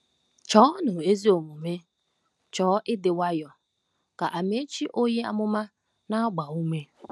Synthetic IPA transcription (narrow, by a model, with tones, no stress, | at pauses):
t͡ʃɔː˦nʊ˨e˦zi˦o˨mu˨me˦ | t͡ʃɔː˨˦ʔɪ˦dɪ˨wa˦jɔ˨ | ka˨ʔa˨me˦t͡ʃi˦ʔo˦ɲe˦a̰˦mʊ˦ma˦ | na˦ɡ͡ba˨u˦me˦